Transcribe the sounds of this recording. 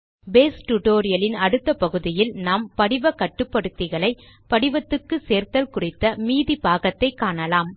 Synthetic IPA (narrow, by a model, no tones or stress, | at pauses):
beːsʈʊʈoːɾɪjɐlɪnɐɽɯt̪ːɐpɐɣɯðɪjɪlnaːmpɐɽɪʋɐkːɐʈːɯpːɐɽɯt̪ːɪɣɐɭɐɪ | pɐɽɪʋɐt̪ːɯkːɯseːɾt̪ɐlkʊrɪt̪ːɐmiːðipaːɣɐt̪ːɐɪkːaːɳɐlaːm